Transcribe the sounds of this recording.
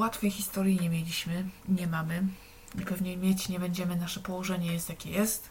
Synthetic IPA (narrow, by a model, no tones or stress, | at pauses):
wat̪fʲɛjxʲist̪ɔɾʲjiɲɛmʲjelʲiɕmɘɲɛmamɘ | ipɛvɲejmʲjet͡ɕɲɛbɛɲd͡ʑɛmɘnaʂɛpɔwɔʐɛɲɛjɛst̪jakʲɛjɛst̪